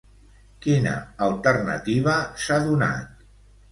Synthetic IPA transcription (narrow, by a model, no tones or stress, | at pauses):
kinə̰əlˠt̪əɾnə̰t̪iβəsaðuna̰t̪̚